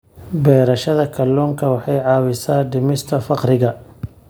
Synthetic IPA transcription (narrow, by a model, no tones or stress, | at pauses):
bɛːɾɐʃɐðɐkʰɐlːɔːŋkʰɐwɑħɑjʕɑːwɪsaːɖɪmɪst̪ʰɐfɑqɾɪɣɐ